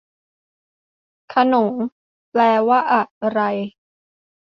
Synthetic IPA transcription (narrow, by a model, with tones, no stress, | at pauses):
kʰa˧no˩˦ŋ | plɛː˧waː˥˩ʔa˨˩ɾa˧j